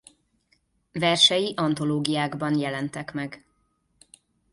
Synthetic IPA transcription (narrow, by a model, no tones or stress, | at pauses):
vɛrʃɛjiʔɒnt̪o̞loːɡijaːɡbɒnjɛlɛnt̪ɛkmɛɡ